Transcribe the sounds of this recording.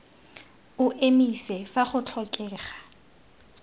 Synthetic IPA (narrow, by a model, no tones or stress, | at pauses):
ʊʔemisɛfaχʊt͡ɬʰɔkʼɛːχḁ